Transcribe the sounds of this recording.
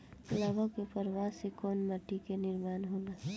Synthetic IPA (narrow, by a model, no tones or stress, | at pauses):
labʱəkepəɾʋasekɔːnməʈːikenɪɾmaːnɦoːna